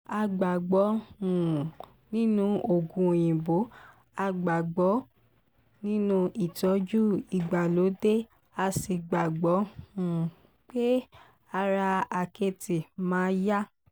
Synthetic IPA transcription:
a˧ɡ͡ba˨ɡ͡bɔ˨˦ũ˨ | nĩ˦nũ˦o˨ɡũ˨j̃ĩ˨bo˨˦ | a˧ɡ͡ba˨ɡ͡bɔ˨˦ | nĩ˦nũ˦ʔi˨tɔ˨˦d͡ʒu˦i˨ɡ͡ba˨lo˨˦de˦ | a˧si˧ɡ͡ba˨ɡ͡bɔ˨˦ũ˨ | k͡pe˦ | a˧ɾa˧a˨ke˧ti˨mãː˨˦ja˦

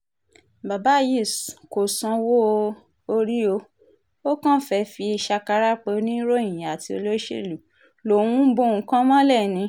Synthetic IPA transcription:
ba˨ba˨˦ji˦˨sko˨sã˧wo˦˧ | o˧ɾi˦o˧ | o˦kã˦fɛ˧fi˧i˧ʃa˧ka˧ɾa˦k͡pe˧˦nĩ˦ɾõ˦˨a˨ti˧o̰˧lo˦ʃḛ˦˨lu˨ | lo˨wũ˦bõ˦˧ũ˧kã˦mã˦lɛ˦˨nĩ˨˧˦

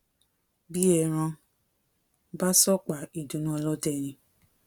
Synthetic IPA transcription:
bi˦ɛ˧˨ɾ̃ã˧ | ba˦sɔ˦k͡pa˨i˨dũ˨nũ˦ɔ˧lɔ˦tɛ˦˨ñĩ˧

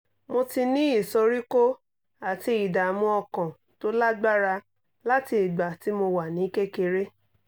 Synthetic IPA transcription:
mo˧ti˧nĩ˦i˦˨sɔ˧ɾi˦ko˦ | a˨ti˧˦i˨da˨mũ˦ɔ˧kã˨ | to˦la˦ɡ͡ba˦ɾa˧ | la˦ti˧i˨ɡ͡ba˨ti˨˦mo˧wa˨nĩ˨˦ke˦ke˧ɾe˦

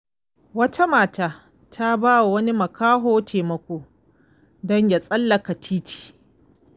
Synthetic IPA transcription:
wɐ˦tʰa˦maː˨taː˦ | tʰa˦baː˦wa˨wɐ˦ni˦mɐ˨kaː˦ɦoː˦tʰeː˨mɐ˨kʷoː˦ | dɔ˦ɲja˨sʼɐ˦lːɐ˨ka˨tʰiː˦tʰi̥ː˨

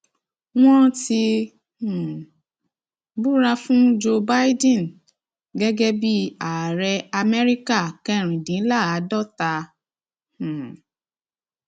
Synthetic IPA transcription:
w̃ɔ̃˦ti˧˨ | bu˦ɾa˧fũ˦d͡ʒo˧ba˦i˦dĩ˦˨n˨ | ɡɛ˦ɡɛ˦bi˦a˨ɾɛ˧a˧mɛ˦ɾi˦ka˦˨kɛ˦˨ɾ̃ĩ˨dĩ˨˦la˦˨a˨˦dɔ˦˨ta˧˨

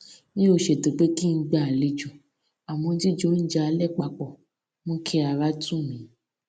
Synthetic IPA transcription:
mĩ˦o˦˨ʃe˨to˨˦k͡pe˦ki˦˧˦ɡ͡ba˦˨a˨le˧d͡ʒũ˨ | a˨mɔ̃˧di˦d͡ʒo˨˦n̩˦d͡ʒa˦a˧˦lɛ˦˨k͡pa˧˨k͡pɔ˨ | mɔ̃˦kʰɛ˦a˨˧ɾa˦tũ˦˨mĩ˨˦

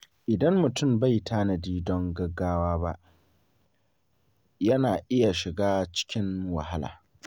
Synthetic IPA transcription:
ʔɪ˨dɐ˦mːʊ˨tʊ˦˨mba˦˨jtʰaː˦na˨diː˦dɔ˦ŋɡɐ˦ɡːaː˦waː˦ba˦ʔ | jɐ˦naː˨ʔɪ˦ja˨ʃɪ˨ɡaː˦t͡ʃɪ̥˦kʲɪ˦ŋwɐ̰˨ha˦la̰ː˨

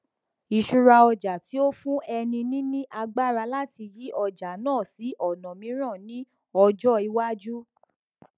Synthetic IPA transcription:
i˨ʃu˧ɾa˧ɔ˧d͡ʒa˨ti˨˦o˦fũ˦ɛ˧nĩ˧nĩ˦nĩ˦ʔa˧ɡ͡ba˦ɾa˧la˦ti˧ji˨˦ɔ˧d͡ʒa˨nãː˦˨si˨˦ʔɔ˦˨nɔ̃˨mĩ˨˦ɾ̃ã˦˨nĩ˦ | ɔ˧d͡ʒɔ˦i˧wa˦d͡ʒu˦

